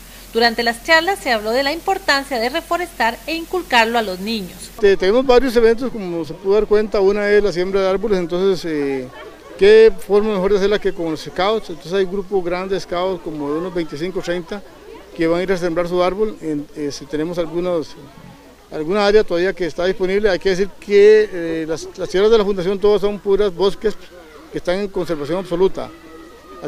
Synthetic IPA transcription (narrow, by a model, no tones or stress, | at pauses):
d̪̥uɾant̪e̞last͡ʃaɾlasːe̞aβlo̞ðe̞laimpo̞ɾt̪ansjaðere̞fo̞ɾe̞st̪aɾeiŋkulkaɾloalozniɲoset̪ene̞mozbaɾjo̞s̬e̞βe̞nt̪̬oskomos̬epuðoðaɾkwe̞nt̪aunae̞slas̬je̞mbɾaðeaɾβolesent̪o̞nsese | kefoɾmamexo̞ɾðese̞ɾlakekoŋloseskawt̪sent̪onsesajɡɾupozɣɾand̪eeskawskomoðeunozbe̞jnt̪is̬iŋkot̪ɾejnt̪a | keβaŋiɾas̬embɾaɾs̬uaɾβolenesit̪e̞ne̞mosalɡunos | alɣunaaɾjat̪oðaβiakeːst̪aðispo̞niβleajke̞ðes̬iɾkelaslast̪jeɾazðelafund̪as̬jo̞nt̪oðas̬o̞mpuɾazbo̞skes | keːst̪aŋeŋko̞nse̞ɾβasjo̞ŋaβso̞lut̪a̰